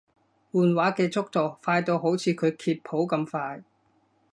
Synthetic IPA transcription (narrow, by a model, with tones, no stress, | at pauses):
wuː˨nwaː˨˥kɛː˧t͡sʊ˥k̚t̪o˨wfaː˧jt̪o˧wɦo˨˥wt͡sʰiː˨˧kʰɵ˨˧ɥkʰiː˧t̚pʰo˨˥wkɐ˧mfaː˧j